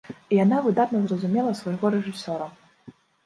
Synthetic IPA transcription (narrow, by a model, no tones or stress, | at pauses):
ijanavɨd̪at̪nɐzrɐzumʲɛlˠɐsvɐjɣɔɾɛʐɨsʲɔɾɐ